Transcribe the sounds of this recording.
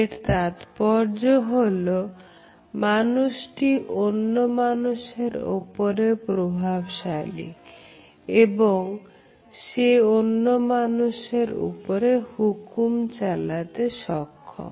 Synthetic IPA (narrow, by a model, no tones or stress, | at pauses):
eʈt̪at̪pɔɾd͡ʑoɦolo | manuʃʈiʔonːomanuʃeɾo̰poɾepɾobʱabʃalḭ | eboŋ | ʃeonːomanuʃeɾṵpoɾehukumt͡ɕalat̪eʃɔkʰːo̰m